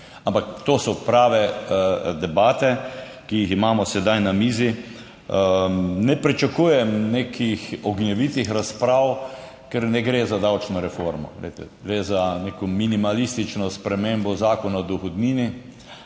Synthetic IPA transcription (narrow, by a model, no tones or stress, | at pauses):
ampakt̪oːsɔpɾaːʋɛ | d̪ɛbaːt̪ɛ | kijiximaːmɔsɛd̪ajnamiːzi | nɛpɾit͡ʃakuːjɛmneːkʰixɔɡnjɛʋit̪ixɾaspɾaːw | kɛɾnɛɡɾeːzad̪awt͡ʃnɔɾɛfoɾmɔ̰lḛɪjt̪ɛ̰ɡɾezanekɔminimalist̪it͡ʃnɔspɾɛmembɔzaːkɔnad̪ɔxɔd̪niːni